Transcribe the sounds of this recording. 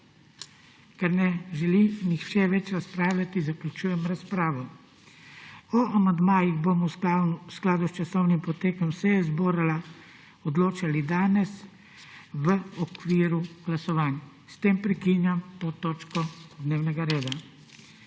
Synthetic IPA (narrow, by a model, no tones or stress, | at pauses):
kɛɾnɛʒɛlinixʃɛʋɛt͡ʃɾaspɾaːwlʲat̪izaklʲut͡ʃuːjɛmɾaspɾaːʋɔ | ɔʔamand̪maːjiɣbomɔsklaːd̪ust͡ʃasɔwnimpɔt̪eːkɔmsɛjɛzboːɾala | ɔd̪loːt͡ʃalid̪aːnɛs | ʋəɔkʋiːɾuɡ̥lasɔʋaːna | st̪eːmpɾɛkinjamt̪oːt̪oːt͡ʃkɔd̪neːwnɛɡaɾeːd̪a